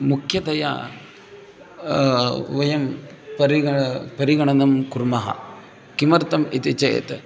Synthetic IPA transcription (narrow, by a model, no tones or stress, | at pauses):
mukʰjɐt̪ɐjɐ̰ | ʋɐjɐm | pɐɾiɐpɐɾiɡɐɳɐnɐmkuɾmɐɦɐ̰ | kimɐɾt̪ɐmit̪it͡ʃɐjɐ̰t̪